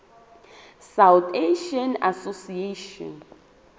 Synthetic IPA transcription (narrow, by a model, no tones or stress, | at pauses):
sawteʃiɔna̰sosieʃɔ̰n